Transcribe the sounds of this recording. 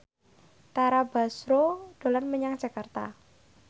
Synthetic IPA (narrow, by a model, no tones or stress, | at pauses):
t̪aɾabasɾod̪̥o̤lanməɲaŋ̥d͡ʒ̥a̤kart̪a